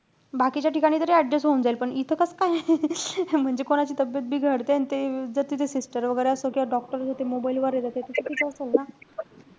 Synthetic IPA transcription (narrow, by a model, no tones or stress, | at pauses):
bakit͡ɕjaʈʰikaɽ̃iːt̪əɾeəɖɾesɦound͡zailpəɳit̪ʰəkəskaj | m̤əɳd͡ʑekoɽ̃at͡ɕiːt̪əbjət̪̚bʱiːɡʱəɽt̪eanit̪ed͡zəɾt̪it̪esisʈəɾʋəɡəjɾeəsokiaɖɔk̚ʈəɾəsot̪emobailʋəɾed͡zat̪et̪esekit̪ʰeəselna